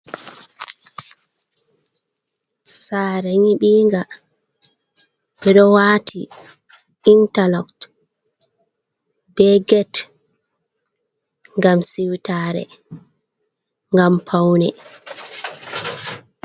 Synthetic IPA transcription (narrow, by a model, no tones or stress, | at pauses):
saːɾɛɲiɓiːŋɡa | ɓɛɗɔwaːtʰḭ | intalɔkt | bɛɡɛt | ŋɡamsiwtaːɾɛ̰ | ŋɡampʰawnɛ̰